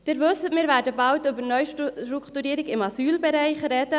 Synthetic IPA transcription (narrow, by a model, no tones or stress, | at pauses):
d̥ɪɾʋɵsːətmɪːɾvæːɾdəbɑltʏbənœʏʃɾukʰtuɾiːɾɪɡɪmɑsyːlbɛɾɛɪχɾɛdə